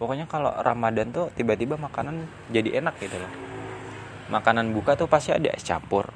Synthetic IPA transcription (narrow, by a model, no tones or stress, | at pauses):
pokoɲakalo̰rʔamadant̪ut̪ibat̪ibamakanan | d͡ʒadiʔenak̚ɡit̪ulɔh | makananbukat̪upast̪ia̰da̰st͡ʃa̰mpʊ̰r